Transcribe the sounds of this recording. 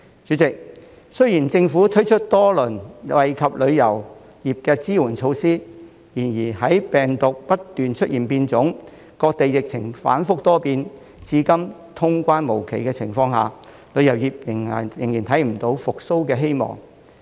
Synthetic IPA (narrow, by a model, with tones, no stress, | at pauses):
t͡ʃyː˨˧˥t͡sɪ˨k̚ | sɵ˥ɥjiː˨˩nt͡sɪ˧ŋfuː˨˥t̪ʰɵ˥t͡ʃʰɵ˥t̚t̪ɔː˥lɵ˨˩nwɐ˨jkʰɐ˨p̚lɵ˨˧ɥjɐ˨˩w | jiː˨˩p̚kɛː˧t͡siː˥wuː˨˩nt͡ʃʰo˨˧wsiː˥ | jiː˨˩njiː˨˩hɐ˨˥jpɛː˨ŋt̪ʊ˨k̚pɐ˥tt̪yː˨nt͡ʃʰɵ˥t̚jiː˨˩npiː˧nt͡sʊ˨˥ŋ | kɔː˧k̚t̪e˨jːɪ˨k̚t͡sʰɪ˨˩ŋfa̰ː˨˥nfʊ˥k̚t̪ɔː˥piː˧n | t͡siː˧˥kɐ˥mt̪ʰʊ˥ŋkʷaː˥nmo˨˩wkʰe˨˩jkɛː˧t͡sʰɪ˨˩ŋfɔː˧ŋɦaː˨˩ | lɵ˨˧ɥjɐ˨˩wjiː˨p̚jɪ˨˩ŋ˨jɪ˨˩ŋjiː˨˩nt̪ʰɐ˨˥jm̩˨˩t̪o˨˥wfʊ˨k̚so˥wkɛː˧ɦe˥jmɔ̰ː˨˩ŋ